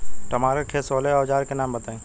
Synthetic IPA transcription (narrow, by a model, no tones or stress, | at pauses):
ʈɐmaːɾəʈʰesoːleɔːd͡ʒaːɾkenãːmbɐt̪ẽː